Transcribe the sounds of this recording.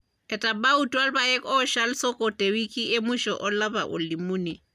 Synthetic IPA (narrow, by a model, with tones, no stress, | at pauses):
kɛ˨ta˨ba˦utu˦a˦lba˨jɛ˦kɔ˦ʃa˦lsɔ˦kɔ˨te˨wi˦ki˦e˦mu˦ʃɔ˨ʔɔ˦la˦βa̰˨ʔo̰˨li˨mu˦ni˨